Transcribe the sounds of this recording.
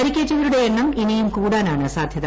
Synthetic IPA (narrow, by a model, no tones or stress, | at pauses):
ɐɾikʲːeːt͡ɕːɐʋɐɾuɽeenːɐminijumkuːɽaːnaːɳɨsaːd̪ʱjɐð